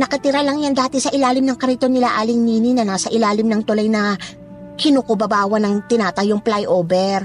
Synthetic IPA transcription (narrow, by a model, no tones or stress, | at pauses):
nɐkɐt̪ɪɾalɐŋjand̪aːt̪ɛsɐʔɪlaːlɪmnɐŋkɐɾit̪o̞nɪlaʔaːlɪŋniːninɐnaːsɐʔɪlaːlɪmnɐŋt̪ʊlajnɐ | kɪnukobɐbaːwɐnɐŋt̪ɪnaːt̪ɐjʊŋplajʔoːbɛɾ